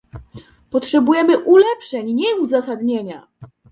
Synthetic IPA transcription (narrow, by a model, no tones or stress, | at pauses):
pɔtʂɛbujɛmɘʔulɛpʂɛɲɲɛuzasad̪ɲeɲa